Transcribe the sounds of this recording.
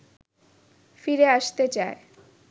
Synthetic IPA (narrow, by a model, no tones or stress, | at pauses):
fiɾeaʃt̪et͡ɕae